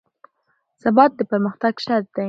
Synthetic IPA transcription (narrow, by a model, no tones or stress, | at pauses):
sabɑt̪̚d̪əpaɾməxt̪aɡʃaɾ̚d̪a